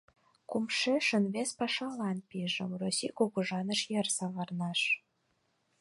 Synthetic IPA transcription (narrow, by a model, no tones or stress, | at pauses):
kumʃeʃə̆nβespɑʃɑlɑnpiʒə̆mrosʲikokuʒɑnə̆ʃjersɑβɑrnɑʃ